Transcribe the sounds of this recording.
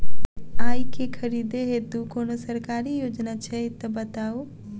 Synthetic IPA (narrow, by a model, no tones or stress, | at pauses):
aːjkekʰəɾiːd̪eɦed̪ukoːnosəɾkaːɾijoːd͡ʒnat͡ʃʰɛɪt̪əbət̪aːu